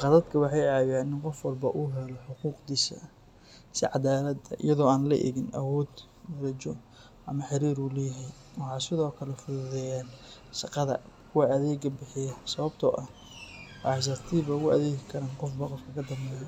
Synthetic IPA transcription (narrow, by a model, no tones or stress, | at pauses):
qɑðɐd̪kʰɐwɑħɑjʕaβjaːnɪnqɔfwɑlbɐʔʊɦɛlɔħʊquːqd̪iːsɐ̰ | sɪ̰ʕɑd̪aːlɐd̪ɐʔɪ̰jɐðɔːaːnlɐ̰ʔɛ̰ɣɪnʔɐ̰wɔːd̪ | mɐɾɐt͡ʃɔ | ʔɐmɐħɪɾiːɾuːlɛːjɐɦɛj | wɑħɑːsɪðɔːkʰɐlɛfʊððɛjaːn | ʃɑqɑðɐ̰ | kʰʊwɐɐðɛːɡɐbɪħɪjɐsɐβɐbt̪ʰɔʔɐh | wħs̬ɐt̪ʰiːβɐɣʊʔɐðeːɣɪkʰɐɾaːnqɔfbɐqɔfkʰɐkʰɐd̪ɐmbɛjɔ